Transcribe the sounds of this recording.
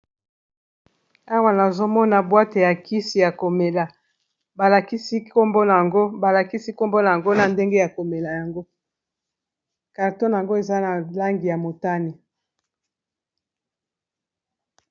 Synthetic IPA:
a˦wa˦na˨zo˦mɔ˦na˨bwa˦te˨ja˨ki˦si˨ja˨ko˨me˨la˨ | ba˨la˨ki˦si˦ko˦mbo˦na˨ja˨ŋɡo˦ba˨la˨ki˦si˦ko˦mbo˦na˨ja˨ŋɡo˦na˨nde˦ŋɡe˦ja˨ko˨me˨la˨ja˨ŋɡo˦ | ka˨ʁto˦n˨a˨ŋɡo˦e˨za˦na˨la˦ŋɡi˨ja˨mo˨ta˦ni˨

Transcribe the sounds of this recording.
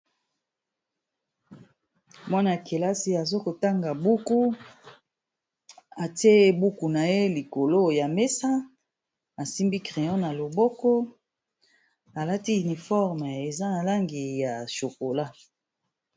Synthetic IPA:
mwa˦na˨ke˨la˦si˦a˨zo˦ko˨ta˦ŋɡa˨bu˦ku˦ | a˨te˦˨bu˦ku˨na˨je˦li˨ko˨lo˦ja˨me˦sa˦ | a˨si˦mbi˦kʁe˨jɔ̃˦na˨lo˨bɔ˦kɔ˦ | a˨la˦ti˦y˨ni˨fɔ˦ʁm˨e˨za˦na˨la˦ŋɡi˨ja˨ʃo˨ko˨la˦

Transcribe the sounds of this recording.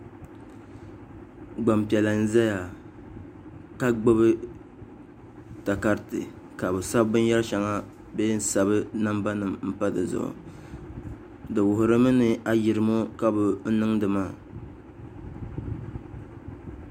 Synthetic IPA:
ɡ͡ba˨mpi˨ɛ˨la˨n̩˦za˦ja˨ | ka˦ɡ͡bo˦βɨ˦ | ta˨ka˦ɾtɨ̰˨ | ka˨bɨ˨sa˦bbɨ˦n˦jɛ˦lʃa˨ŋa˦ | beː˦n̩˦sa˨βɨ˦na˦mba˦nɨ˨mm̩˦pa˦dɨ̰˨zʊ̰˨ʊ̰˨ | dɨ˨wʊ˨ɦʊ˨ɾɨ˦mɨ˦nɨ˦a˦ji˨ɾɨ˨mo˦ka˦bʊ˨n̩˦nɨ˦ŋdɨ˨maː˦˨

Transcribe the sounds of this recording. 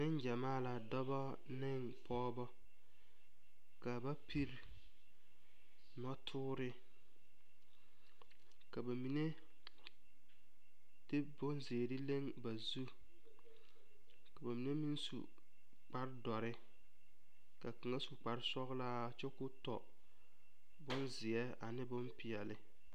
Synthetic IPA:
nɪ˦n˦d͡ʒa˨maː˦la˨dɔ˦bɔ˦ | nɪ˦ŋ | pʰɔː˦bɔ˦ | ka˨ba˦pʰi˦ɾ | nɔ˦tʰʊː˦ɾɪ˦ | ka˨ba˨mi˨ne˦ | d̥e˦bʊ˦nze˨ɾɪ˦le˦ŋba˨zu˦ | ka˨ba˨mi˨ne˦mi˦nsṵ˨ | k͡pa˦ɾdɔ˨ɾɪ˦ | ka˨ka˨ŋa˦su˨k͡pa˨ɾɪ˦sɔ˦ɣlaː˦˨t͡ʃɛ˦kʊ˦tɔ˨ | bʊ˦nzɪ˨ɛ˦a˨nɪ˦bʊ˦mpi˨ɛ˨lɪ˦

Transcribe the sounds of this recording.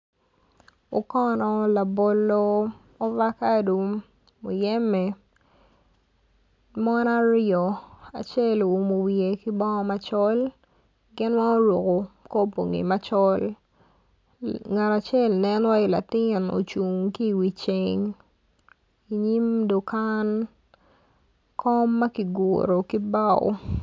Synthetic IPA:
o˨kɔ˦nɔ˨la˨bo˨lo˦ | ɔ˦va˦ka˦du˨ | mo˨jɛ˦mɛ˨ | mɔ˦na˦ɾjɔ˨a̰˨t͡ʃe˦lo˨u˨mo˨wije˨ki˦bɔ˦ŋɔ˦ma˦t͡ʃɔ˦l | ɡɪ˦nwa˦o˦ɾo˨ko˨ko˦po̰˨ŋḭ˨ma˦t͡ʃɔ˦l | ŋa˨ɾa˨t͡ʃɛ˦lnɛ˦n˦wa˦i˨la̰˨tɪ˦˨no̰˨t͡ʃu˨ŋki˦˨wi˨t͡ʃeŋ | i˨ɲi˦mdo˨ka˦n | kʰɔ˦mːa˦ki˨ɡo˨ɾo˨ki˦ba˦w̰

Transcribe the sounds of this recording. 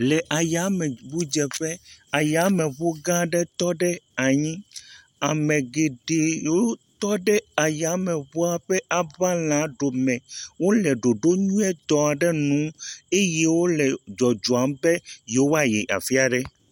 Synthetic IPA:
lɛ˨ʔa˨ja˨˦mɛ˨bu˦d͡ʒɛ˨ɸɛ˦a˨ja˨˦mẽ˨βo˦ɡã˦ɖɛ˦t̪ɔ˦ɖɛ˦a˨ɲĩ˦ | a˨mẽ˨ɡe˨ɖe˨wo˦t̪ɔ˦ɖɛ˦a˨ja˨˦mɛ̃˨ɸo˦a˦ɸɛ˦ʔa˨βa˦l̃ã˨˦ɖo˨mɛ̃˨wo˦lɛ˨ɖo˨ɖo˦ɲũ˦ɛ˦t̪ɔ˨a˨ɖɛ˦nũ˨˦e˦je˦wo˦lɛ˨d͡ʒɔ˨d͡ʒɔ˨a˨˦mbɛ˦je˨˦wo˦a˦jɛ̰˨ʔa̰˨fi˦a˨ɖɛ˦

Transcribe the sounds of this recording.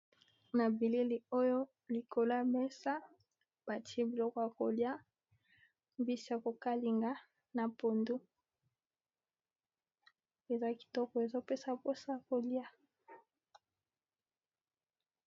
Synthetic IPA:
na˨bi˨li˦li˨o˦jo˦ | li˨ko˨la˦mɛ˦sa˦ | b̥a˨tʰi˦e˦bi˨lɔ˦kɔ˨ja˨ko˨lja˦ | mbi˦si˦a˨ko˨ka˦li˨ŋɡa˦ | na˨po˨ndu˦ | e˨za˦ki̥˨tɔ˦kɔ˨e˨zo˦pe˦sa˨po˦sa˦ja˨ko˨lja˦

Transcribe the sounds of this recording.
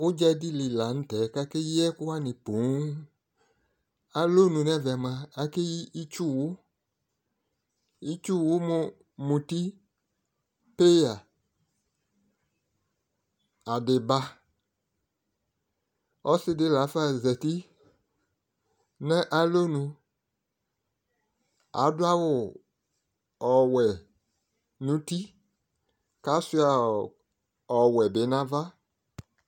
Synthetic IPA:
ʊ˦d͡ʒɛ˦di˦li˨la˨˦n̩˦tɛ˨˦˨ka˦ke˦jɛ˦kʊ˦wa˦nɪ̃˨po˨˦ŋ˦ | a˨lo˦nũ˨nɛ˦vɛ˨mã˨a˨ke˦ji˦i˦t͡ʃu˦˨wʊ˦ | i˦t͡ʃu˦˨wʊ˦mʊ˨ | mũ˨ti˦ | pe˦ja˨ | a˨dɪ˨ba˦ | ɔ˦sɪ˦dɪ˨˦la˨˦fa˦˨zɛ˨ti˦ | nɛ̃˦ʔa˦lo˦nũ˧ | a̰˨˦dwa˦wʊ˨ | ɔ˨wɛ˨ | nũ˨˦ti˦ | ka˦su˦a˨ | ɔ˨wɛ˨be˨˦nã˦va˦

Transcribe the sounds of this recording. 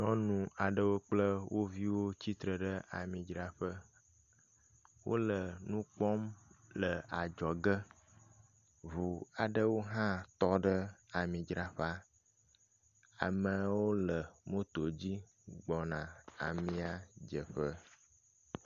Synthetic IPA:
ɲɔ̃˦nũ˨a˨ɖə˦wo˦k͡plə˦wʔo˦vi˦wo˦t͡ɕi˦t̪ɾə˨ɖə˦a̰˨mĩ˨d͡ʒɾa˦ɸə˦ | wo̰˦lə˨nũ˦k͡pɔ˦mlə˨a˨d͡ʒɔ˨ɡə˦ | vu˨a˨ɖə˦wo˦ɦã˦t̪ɔ˦ɖə˦a˨mĩ˨d͡ʒɾa˦ɸa˦ | a̰˨mə̃˨wo˦lə˨mõ˦t̪o˨d͡ʑi˦ | ɡ͡bɔ˨nã˨a̰˨mĩ˦a˨d͡ʒə˨ɸə˦

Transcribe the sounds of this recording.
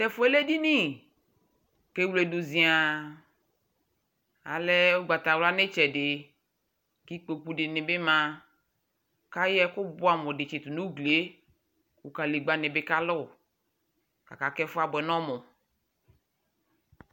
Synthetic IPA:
tɛ˨fʊ˨˦ɛ˦le˦di˦ni˦˨ | ke˦wle˨du˨zĩ˨a˨ | a̰˨lɛ˦ʊ˦ɡ͡ba˨ta˨wla˦nɪ˦t͡ʃɛ˨dɪ˨ | ki˦k͡po˨k͡pu˦dɪ˨nɪ̃˨bɪ˦mã˨ | ka˦jɛ˦kʊ˦bʊ˦a˨mʊ˨dɪ˨t͡ʃɪ˨t̪u˨nu˦ɡle˦ | u˨ka˨li˨ɡ͡ba˨nɪ̃˨bɪ˦ka˦lʊ˦˨ | ka˨ka˨kɛ˦fʊ˦a˦bʊ˨ɛ˨nɔ̃˦mʊ˨

